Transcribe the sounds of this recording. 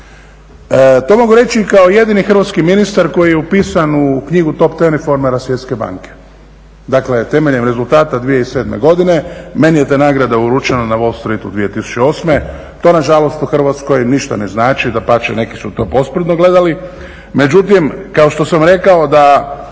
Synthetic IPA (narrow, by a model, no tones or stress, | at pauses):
ət̪o̞ːmo̞ɡuɾe̞t͡ʃikao̞je̞d̪inixr̩ʋat̪skiminist̪aɾko̞jijeupiːsanukɲiɡut̪o̞pt̪enifo̞ɾmeɾasʋje̞t̪ske̞ba̰ːŋke̞̥ | d̪akle̞t̪e̞me̞ʎemɾe̞zult̪aːt̪ad̪ʋije̞ise̞ːd̪mḛɡo̞d̪ine̞me̞nijet̪anaːɡɾad̪auɾut͡ʃenanaʋo̞lst̪ɾit̪ud̪ʋije̞t̪isu̥t͡ɕeo̞ːsme | t̪o̞ːnaʒalo̞st̪uxr̩ʋat̪sko̞jniʃt̪a̰ne̞znaːt͡ʃid̪apat͡ʃene̞ki̥sut̪o̞ːpo̞spr̩t̪noɡle̞d̪ali | me̞d͡ʒut̪imkao̞ʃt̪o̞samɾe̞kao̞d̪a